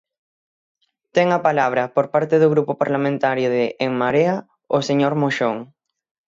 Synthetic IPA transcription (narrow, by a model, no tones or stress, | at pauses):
t̪ɛŋɐpalaβ̞ɾɐpoɾpaɾt̪ɪðʊɣɾupʊpaɾlamẽnt̪aɾjʊðɪʔːŋmaɾeɐ | oseɲoɾmoʃoŋ